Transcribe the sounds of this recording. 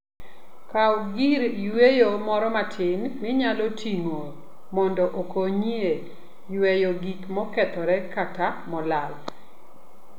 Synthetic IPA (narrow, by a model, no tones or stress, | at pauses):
kawɡiɾjwejomɔɾɔmatʰɪnmɪɲalɔtʰiŋo | mɔndɔʔokoɲie | jwejoɡikmɔkɛt̪ɔɾɛkatamɔlal